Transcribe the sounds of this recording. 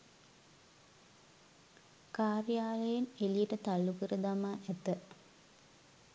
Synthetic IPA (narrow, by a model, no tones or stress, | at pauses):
kaːrijaːləjenelijeʈət̪alːukəɾəd̪amaːʔɛt̪ə